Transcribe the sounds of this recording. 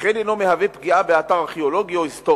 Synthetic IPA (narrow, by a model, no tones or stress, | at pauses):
χenenomehavepɡiabeat̪aʁaʁχeolo̞ɡioist̪o